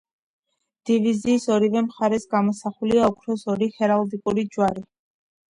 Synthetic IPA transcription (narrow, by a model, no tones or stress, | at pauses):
d̪̥iviziːsɔɾivɛmχaɾɛsɡamɔsaχuliaɔkʰɾɔsɔɾiχɛɾalˠd̪ikʼuɾid͡ʒwaɾi